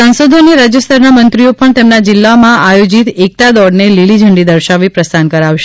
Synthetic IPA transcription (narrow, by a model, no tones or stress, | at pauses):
sansod̪ʱoniɾad͡ʒəst̪ʰəɾnamənt̪ɾiopəɳt̪emnad͡ʒɪlːamãʔajod͡ʒit̪ek̚t̪ad̪ɔɽnelilid͡ʒʱəɳɖid̪əɾʃaʋipɾəst̪ankəɾaʋʃe̥